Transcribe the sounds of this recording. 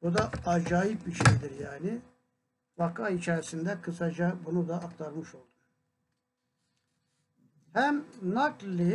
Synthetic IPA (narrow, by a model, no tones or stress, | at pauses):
bud̪aːd͡ʒaːjip̚biɾʃejd̪iɾjaːni | vakʰait͡ʃʰaɾisind̪ɛkʰɯsad͡ʒabunud̪aʔːk̚t̪ʰaɾmɯʃo̞lˠd̪um | hæmnaklːɯ